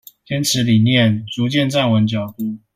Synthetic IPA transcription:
t̪ʰjɛ˥nʈ͡ʂʰɻ̩˧˥li˨˩njɛ˥˨nt͡su˨˥t͡ɕjɛ˥˧nt͡sa˥˩nwə˧˥nt͡ɕjɑ˨˩ʊt̪u˥˦

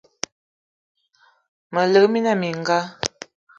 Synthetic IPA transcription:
mə˨lə˨˦mi˦na˦˨mi˨ŋ˨ɡa˦

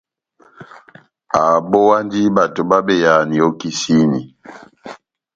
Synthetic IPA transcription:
a˨bo˦wa˦ndi˦ba˨to˨ba˦be˦˨ja˨ni˨o˦ki˦si˦ni˨

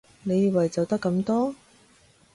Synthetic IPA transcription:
ne˨˧jiː˨˩wɐ˨˩jt͡sɐ˨wt̪ɐ˥kːɐ˧˥mt̪ɔː˥

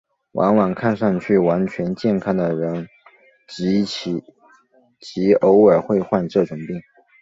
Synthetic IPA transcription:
wʔa̰˧˥ŋwa˨˩ŋkʰa˥˧nʂɑ˥˧ŋt͡ɕʰy˥˩wa˧˥nt͡ɕʰɥɛ˧˥nt͡ɕjɛ˥˧nkʰɑ˥˩ŋd̪ə˩ɻə˧˥n | t͡ɕi˧˥˧ | t͡ɕi˧˥o˧˥ʊə˞˨˩xwe˥˧ɪxwa˥˧nʈ͡ʂɤ˥˩ʈ͡ʂʊ˨˩ŋpi˥˩ŋ

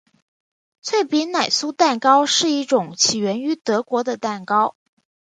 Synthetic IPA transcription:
t͡sʰwe˥˩ɪpi˧˥nna˨˩ɪsu˥t̪a˥˩nkɑ˥ʊʂɻ̩˥˧i˥˩ʈ͡ʂʊ˨˩˦ŋt͡ɕʰi˨˩ɥɛ˧˥ny˧˥t̪ɤ˧˥kwɔ˧˥d̪ə˧t̪a˥˩nkɑ˥ʊ

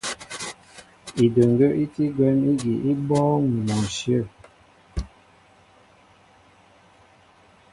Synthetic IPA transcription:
i˨də˨ŋ˨ɡə˦ʔi˦ti˦ɡwɛ˦ni˦ɡi˨ʔi˦bɔː˦ŋu˨mɔ˨ʃjə˦˨

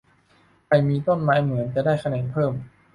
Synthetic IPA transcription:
kʰa˧˩jmiː˧t̪o˥˩nmaː˦˥jmɯ˩˦ənt͡ɕɛ˨˧˩daː˥˩jkʰa˧nɛː˨˩˦npʰɤː˥˩m

